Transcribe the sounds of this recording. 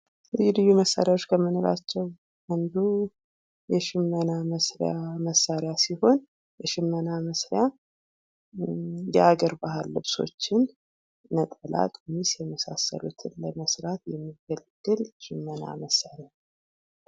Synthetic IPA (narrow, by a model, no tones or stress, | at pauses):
lɨlɨjːuməsːa̰ɾjawot͡ʃːkʰəmːɨnoɾa̰t͡ʃːɛw | ʔand̪u | jɛʃɨmːənaməsɾjaməsːaɾjasiho̞n | jɛʃɨmːənaməsɾɪja | jɛʔaɡəɾbaɦɨlːɨβso̞̰t͡ʃːɪnː | ət̪ʼəla̰t̪ʼumisjɛməsa̰sːə̰lṵt̪ʰɨnləməsɾat̪jɛmːiɡəlɡ̥ːɨlʃɪmːəna̰məsːaɾɪjan